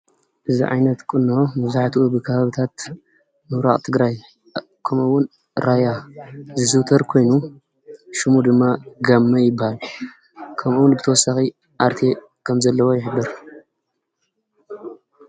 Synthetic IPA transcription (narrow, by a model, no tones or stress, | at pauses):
ʔɨzḭʕa̰jnɐt̪kʼɨnːomɐzaħt̪ʰubɨkʰɐβaβɨt̪ʰat̪ | mɨwɾa̰qʼt̪ʰɨɡɾaj | kʰɐmuwːʊn | ɾajazɨzɨwt̪ʰɐɾkʰo̞jnu | ʃɨmud̪ɨmːaɡamːɐjɪbːahal | kʰɐmʔuwʊnbɨt̪ʰɐwɔsːaxi | ʔaɾt̪ʰe | kʰɐmzɐlːɐwo̞jɪħɨd̪ːɨɾ